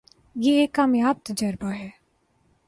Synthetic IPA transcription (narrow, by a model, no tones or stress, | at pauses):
jeekːaːmjaːp̚t̪d͡ʒəɾbaɦɛː